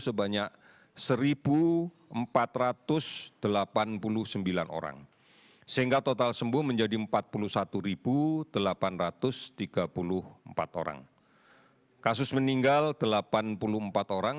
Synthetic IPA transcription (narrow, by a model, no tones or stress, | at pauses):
səbaɲak̚ | səɾib̥u | əmpat̪rat̪ʊsd̪̥əlapanpulʊhsəmbila̰no̰ɾa̰ŋ | səɦiŋɡat̪ot̪alsəmbuməɲd͡ʒadiəmpat̪̚pulʊhsat̪uɾib̥ud̥əlapanrat̪ʊst̪iɡ̥apulʊhəmpa̰t̪o̰ɾa̰ŋ | kasʊsməniŋɡald̥əlapanpulʊhəmpat̪oɾaŋ